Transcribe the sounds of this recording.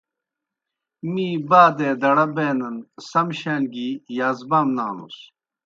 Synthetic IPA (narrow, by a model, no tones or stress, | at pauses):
miːbaːd̪eːd̪ɐɽɐbeːnɐnsɐmɕaːnɡijaːzbamna̰ːnṵs